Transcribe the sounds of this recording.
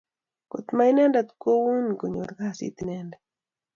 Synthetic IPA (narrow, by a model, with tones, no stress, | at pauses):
ko̰˨t̪ma˦inɛ˦ndat̪ko˦wu˦nɡo˨ɲo̰˨ɾkasḭ˦t̪inɛnda